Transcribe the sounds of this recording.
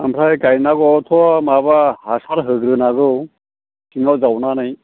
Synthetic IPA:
amɾajkajnaɡɔt̪ʰɔwamaβahasaɾɦəɡɾɯnaɡɯw | sʰiŋawd͡zawnanaj

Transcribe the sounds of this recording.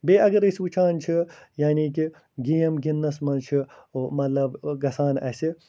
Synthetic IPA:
beːʔɐɡɐɾisʲʋut͡ʃʰaːnt͡ʃʰijaːniːki | ɡijɐmɡinːɐsmɐnt͡ʃʰi | mɐt̪lɐbɡɐsaːnɐsi

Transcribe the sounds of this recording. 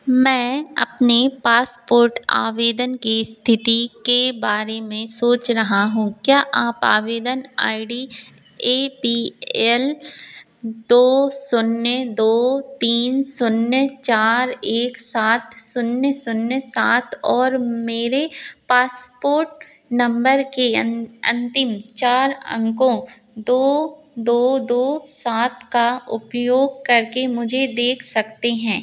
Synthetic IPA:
mɛ̃ːɐ̰pnepaːspoːɾʈa̰ːʋeːd̪ənkist̪ʰɪt̪ikebaːɾemẽsoːt͡ʃɾɐɦaɦũːkjaːʔaːpaːʋeːd̪əna̰ːɪɖi | eːpiɛl | d̪oːsʊnjd̪oːt̪iːnsʊnjət͡ʃaːɾeːksaːt̪ʰsʊnjəsʊnjəsaːt̪ʰɔːɾmeːɾepaːspoːɾʈ̚ | nɐ̃mbəɾkeɐ̰̃nt̪ɪmt͡ʃaːɾɐ̰̃ŋkõ | d̪oː | d̪oːd̪oːsaːt̪̚ʰkaʊpjoːɡ̚kɐɾkemʊd͡ʒʱed̪eːkʰsɐkt̪eɦɛ̃ː

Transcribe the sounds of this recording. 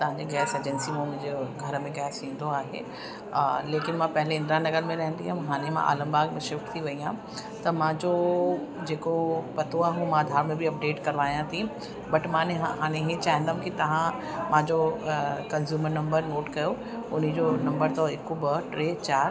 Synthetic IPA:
t̪ɐʋ̤ãɲd͡ʑeɡɛːseːd͡ʑənsimõmʊ̃ɦɪ̃d͡ʑeɡʱɐɾəmẽɡɛːsĩːn̆d̪oaːɦḛː | leːkɪnmãpɐɦɪleɪ̃nd̪ɾanɐɡəɾmẽɾɐɦə̃nd̪iɦãɦaːɽ̃emã̰ʔa̰ːlə̃mbaːɡmẽʃɪfʈt̪ʰiʋɐijã | t̪ɐmãːd͡ʑod͡ʑeːkopɐt̪oaːɦõmãːd̪ʱaːɾmẽbʱiɐp̚ɖeːʈkɐɾʋaːijãt̪ʰĩ | bɐʈmãːneɦɦaːɽ̃ẽɦet͡ɕaːɦɪ̃nd̪aːũkit̪ɐʋ̤ã | mãːd͡ʑokɐnzjuːməɾnɐ̃mbəɾnoːʈkɐjo | ʊnid͡ʑonɐ̃mbəɾt̪ɔɪkobɐʈɾeːt͡ɕaːɾ

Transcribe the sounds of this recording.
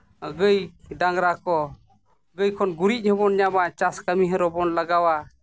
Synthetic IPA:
ɡəjdaŋɾakɔ | ɡəjkʰɔnɡuɾitc̚ˀhɔbɔnɲabat͡ʃaskamiɦəɾɔbɔnlaɡawa

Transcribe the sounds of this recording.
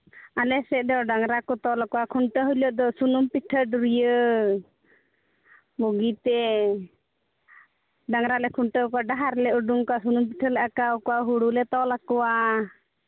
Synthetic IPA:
alɛsɛʔ̚ˀd̪ɔɖaŋɾakɔt̪ɔlakɔwakʰuɳʈəɦujləʔd̪ɔsunumpiʈʰəɖuɾijə | boɡit̪ɛ | ɖaŋɾalɛkʰuɳʈəkaɖaɦaɾlɛʔuɖuŋkasunumpiʈʰəlaʔakaukɔaɦuɽulɛt̪ɔlakɔwa

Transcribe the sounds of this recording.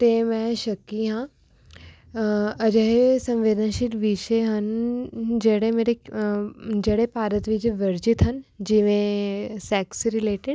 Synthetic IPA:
t̪eːmɛ̃ʃɐkːiɦãː | ɐd͡ʒəɦesɐ̃mʋeːd̪ənʃɪʈ̪ʋiʃeɦən | d͡ʒeːɽemeːɾe | d͡ʒeːɽepaːɾət̪ʋid͡ʒeʋɐɾd͡ʒɪt̪ɦənd͡ʒiʋẽsɛːksɾɪleːʈɪɖ

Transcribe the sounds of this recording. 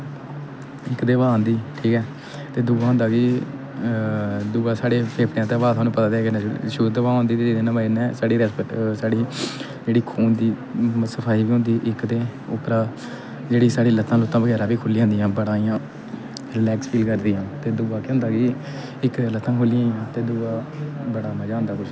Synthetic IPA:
ɪkd̪eːʋaːãːnd̪iːʈʰiːkɛː | t̪eːd̪ʊːɡãːɦʊ̃nd̪aːkiː | d̪ʊːaːsaːɽeːpʰeːpɽjãːt̪eːʋaːt̪ʊaːnũːpət̪ãːd̪eɛːkɪnɛ̃ʃuːd̪əʋaːõnd̪iːt̪eːd͡ʒeːd̪eːnãːbainɛ̃ːsaːɽiːɾɛːspəʈsaːɽiː | d͡ʒeːɽiːkʰuːnd̪iːsəpʰaːiːbiːɦʊ̃nd̪iːʔɪkd̪eːʊ̰pɾaː | d͡ʒeːɽiːsaːɽiːlət̪ʰːãːloːt̪ːãːbəɡɛːɾaːbiːkʰʊliːãːnd̪iːãːbəɽaːijãː | ɾɪlɛːkspʰiːlkəɾd̪iːɦãːt̪eːd̪ʊaːkeɦʊ̃nd̪aːɡiː | ɪkd̪eːlət̪ʰːãːkʰʊliːãːjãːt̪eːd̪ʊːaːbəɽaːmãːd͡ʒaːʊ̃nd̪aːkʊt͡ʃʰ

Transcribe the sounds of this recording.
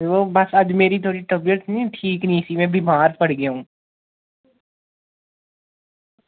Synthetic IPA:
ʋobɐsɐd͡ʒmeːɾit̪ʰoːɽiʈɐbijəʈ̪nĩʈʰiːknĩɪsimẽbimaːɾpɐɽ̤ɡeɦũː

